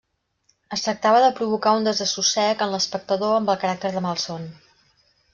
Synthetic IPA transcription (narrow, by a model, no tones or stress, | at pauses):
əst̪ɾək̚t̪aβəðəpɾuβ̞ukaund̪əzəsusɛkənləspək̚t̪əðoəmbəlˠkəɾak̚t̪əɾðəmalˠson